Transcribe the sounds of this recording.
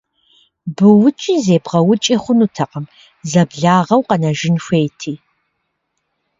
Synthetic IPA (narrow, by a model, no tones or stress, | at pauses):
bɨwʊt͡ʃʼizeːbʁɐwʊt͡ʃʼiːχʷʊnutʰɐqɐm | zɐbɮaːʁɐwqɐnɐʒɪnɕʷeːjtʰiː